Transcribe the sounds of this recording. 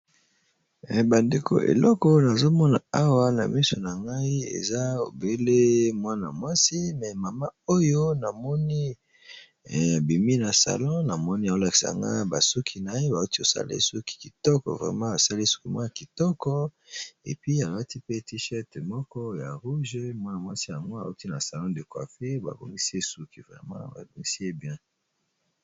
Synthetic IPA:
ba˨nde˨kʰo̰˨ʔḛ˨lɔ˦kɔ˨na˨zo˦mɔ˦na˨a˦wa˦na̰˨mi˦so˨na˨ŋɡa˦i˦ḛ˨za˦o̰˨be˦le˦mwa˦na̰˨mwa˦si˦mɛ˨ma˨ma˦o˦jo˦na˨mɔ˦ni˦˨ | bi˨mi˦na˨sa̰˨lɔ̃˦na˨mɔ˦ni˦a˨o˦la˨ki̥˨sa̰˨ŋɡa̰˦ba˨su˦kʰi˨na˨je˦ba˨u˦ti˦o˨sa̰˦lḛ˦su˦ki̥˨ki̥˨tɔ˦kɔ̰˨vʁɛ̰˨mɑ̃˦a˨sa˦le˦su̥˦ki˨ma̰˦ja˨ki˨tɔ˦kɔ˦ | ḛ˨pɥi˦a˨la˦ti˦pe˦ti˦ʃɛ˦tmɔ˦kɔ˦ja˨ʁu˦ʒe˦mwa˦na˨mwa̰˦si˦ja˨ŋɡo˦a̰˨u˦ti˦na˨sa˨lɔ̃˦de˨kwa̰˨fe˦ba̰˨bo̰˨ŋɡi˦si˦e˦su˦ki˨vʁɛ̰˨mɑ̰̃˦ba̰˨bo˨ŋɡi˦si˦e˦bjɛ̃˦

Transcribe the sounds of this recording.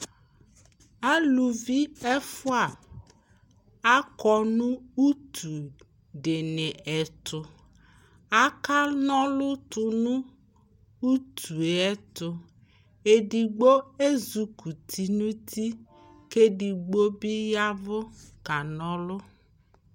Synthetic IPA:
a˦lu˨vi˦ɛ˦fʊ˦a˨ | a˦kɔ˦nũ˦u˦t̪ʰu˨ | ɖe˨nẽ˨ɛ˨t̪ʰʊ˨ | a˦ka˦nɔ̃˦lʊ˦t̪ʊ˨nũ˦ | u˦t̪ʰu˨ɛ˦t̪ʊ˨ | e˨ɖi˨ɡ͡bo˦e˦zu˨kʰu˨t̪ʰi˨nũ˦t̪ʰi˦ | ke˦ɖi˨ɡ͡bo˦bi˦ja˦vʊ˦ka˨nɔ̃˦lʊ˦

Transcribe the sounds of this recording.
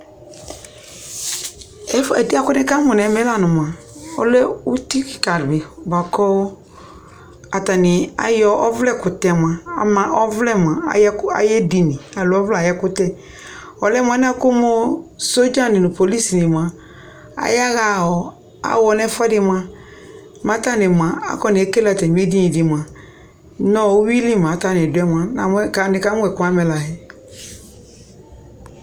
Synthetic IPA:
ɛ˦fɛ˨di˦a˦kʊ˦nɛ̃˦ka˦mɔ˨n˨ɛ˨˦mɛ˦la˦nʊ̃˨m˨ã˨ | ɔ̰˦lɛ˦u˦ti˦ki˨ka˨ɾbɪ˨ba˨kɔ˦ | a˨ta˨nɪ˨a̰˨jɔ˦ʔɔ˦vlɛ˦kʊ˨tɛ˨mã˨a̰˨mã˨ʔɔ˦vlɛ˦m˨ã̰˨˦ka̰˨jɛ˦di˨nĩ˨a˨lʊ˨ɔ˦vla˨jɛ˦kʊ˦tɛ˦ | ɔ˨lɛ˦m˦˨a˨˦n˦a˦kʊ˦mo˦so˦d͡ʒã˦nɪ̃˨nʊ̃˨po˨li˦si˨nɪ̃˨mã˨ | a̰˨ja˦ɣa˨ɔ˨ | a̰˨wɔ˨nɛ˦fɛ˦dɪ˨mã˦ | mã˨˦ta˦nɪ̃˨mã˨a̰˦kɔ˦nɪ˨e˦ke˦la˨tɛ˨n˨˦e˦di˦nɪ̃˨dɪ˨mã˨ | nɔ̃˦˨˦wi˦li˦˨mã˨˦ta˦˨nɪ̃˨dʊ˨˦ɛ˦mã˨˦na˨m˦ka˨nɪ˨ka˦mʊ˦ɛ˨kʊ˦a˦mɛ˨la˨ɦɛ˨˦

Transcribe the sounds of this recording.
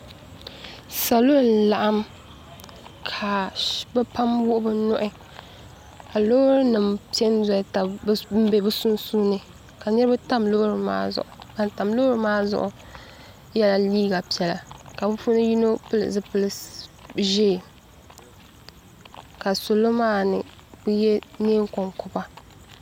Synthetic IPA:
sa˨lo˦n̩˨˦la˨ʔa˦m | kʰa˨bɛ˦pa˦mwʊ˦ʔʊ˦bɨ˨nʊ̰˦ʔɪ˦ | ka˨lo˦hɾɨ˦nɨ˨mpi˦ɛ˦n˦zɔ˨˦ta˨˦m̩˦be˨bɨ˦su˦n˦suː˦nɨ˨ | ka˨nɛ˦ɾɨ˦ba˦ta˦mlo˦hɾɨ˦ma̰ː˦zʊ̰˨ʔʊ˨ka˨n˨ta˨mlo˦hɾɨ˦maː˦zʊ̰˦ʔʊ˨ | jɛ˦la˦liː˦ɡa˨pi˨ɛ˨la̰˨ka˨bɨ˦fu˦nɨ˦ji˦no˦pɨ˦lɨ̰˨zɨ˦pɨ˦lɨ˨ | ʒeː˦˨ | ka˨so˨lo˦maː˦nɨ̰˨ | bɨ˦jɛ˦neː˦ŋ˦ko˨ŋkʊ˨ba˦

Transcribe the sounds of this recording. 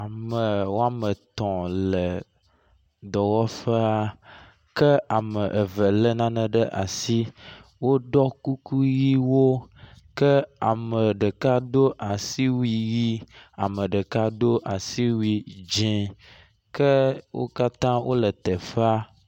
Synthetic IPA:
a˨mə˨wo˦a˦mə˨t̪ɔ̃˨lə˨ | d̪ɔ˨wɔ˦fə˦a˦ | kə˦a˨mə˨ʔə˨və˨lə˦nã˦nə̃˨ɖə˦ʔa̰˨si˦wo˦ɖɔ˦ku˦ku˦ji˦wo˦kə˦a˨mə˨ɖə˨ka˦d̪o˦ʔa˨si˦wi˦ji˦a˨mə̃˨ɖə˨ka˦d̪o˦ʔa˨si˦wi˨d͡ʒẽ˨ | kə˦wo̰˦ka˦t̪ã˦wʔo˦lə˨t̪ɛ˨fa˦

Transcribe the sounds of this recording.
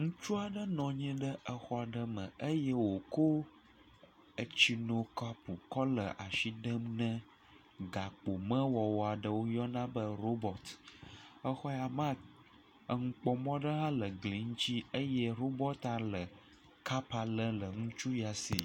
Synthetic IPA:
ŋũ˦t͡ʃu˦a˨ɖə˦nɔ̃˨ɲɛ̃˦ɖə˦ʔə˦xɔ˦a˨ɖə˦mə̰̃˨ə˦jə˦wo˨ko˦ | ə˨t͡ɕi˨nõ˨ka˦pu˨kɔ˦lə˨ʔa˨ʃi˦ɖə˦mnə̃˦ | ɡa˨k͡po˨mə̃˦wɔ˨wɔ˨a˨ɖə˦wo˦jɔ˦nã˦bə˦ɾo˦bɔ˨t̪ | ə˦xɔ˦ja˨mã˦ | ə˨ŋũ˦k͡pɔ˦mɔ̃˦ɖə˦ɦã˦lə˨ɡli˨ŋ̩˦t͡ɕi˦ə˦jɛ˦ɾo˦bɔ˦t̪ã˦lə˨ | ka˦pa˨lə˦lə˨ŋũ˦t͡ʃu˦ja˨sḭ˨

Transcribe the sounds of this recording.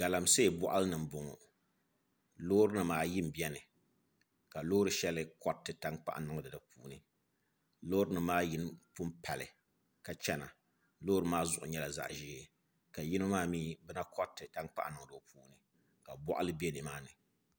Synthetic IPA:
ɡ̥a˨la˨mse˦˨bɔ˦ʔa˦lɨ˦nɨ˨m˨bʊ˨ŋɔ̰˨ | loː˦ɾɨ˦nɨ˨maː˦ji˦m˨bi˦ɛ˦nɨ˨ | ka˨loː˦ɾɨ˨˦ʃɛ˦lɨ˦kɔ˦tːɨ˨ta˦ŋk͡pa̰˦ʔa˨nɨ˦ŋ˦dɨ˨dɨ˨pṵː˨˦nɨ˦ | lo˦ɾɨ˦nɨ˨maː˦ji˦n˦pu˦mpʰa˨lɨ̰˨ | ka˨t͡ʃɛ˦na̰˨ | loː˦ɾɨ˦maː˦zʊ˨ʔʊ̰˨ɲɛ˦la˨za̰˦ʔʒiː˦e˨ | ka˨ji˦no˦maː˦miː˦bɛ˦na˦kʰɔ˦tːɨ˨ta˦ŋk͡pa̰˦ʔa˨nɨ˨ŋ˨dɨ˨puː˦nɨ˨ | ka˨bɔ˦ʔa̰˦lɨ˦be˦nɨ˨maː˦nɨ˨

